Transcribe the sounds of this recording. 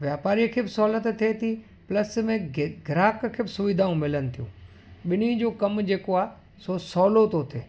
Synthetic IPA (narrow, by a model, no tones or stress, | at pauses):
ʋjaːpaːɾijkʰeːbɪsɔːlət̪et̪ʰet̪ʰi | pləsmẽɡʱɪɾaːkkʰeːbɪsʊʋid̪ʱaːũmɪlənɪ̆t̪ʰijũː | ɓɪnid͡ʑoːkɐmd͡ʑeːkoaː | sosɔːlot̪ot̪ʰeː